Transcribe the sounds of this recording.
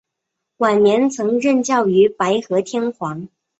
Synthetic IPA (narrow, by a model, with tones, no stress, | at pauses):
wa˨˩nnjɛ˧˥nt͡sʰɤ˧˥ŋɻə˥˧nt͡ɕjɑ˥˩ʊy˧˥pa˧˥ɪxɤ˧˥t̪ʰjɛ˥nxwɑ˧˥ŋ